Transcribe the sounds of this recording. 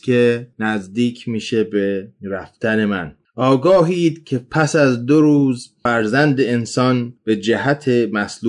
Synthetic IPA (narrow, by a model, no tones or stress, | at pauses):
kʰenæzd̪iːkʰmiːʃe̞beɾæft̪æne̞mæn | ʔɒːɡɒːɦiːd̪cʰe̞pʰæsæzd̪oɾuːzfæɾzænd̪eensɒːnb̥e̞d͡ʒæɦæt̪ʰemæslu